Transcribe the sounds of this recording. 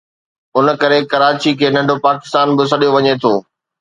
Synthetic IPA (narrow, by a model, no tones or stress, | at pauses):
ʊnkɐɾekɐɾaːt͡ɕikʰeːnɐ̃ɳɖʱopaːkɪ̥st̪aːnbɪs̬ɐɗijoʋɐɲet̪ʰoː